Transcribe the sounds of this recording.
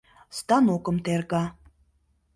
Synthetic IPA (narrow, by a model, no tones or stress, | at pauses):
st̪ɑnokɤ̆mt̪erɣɑ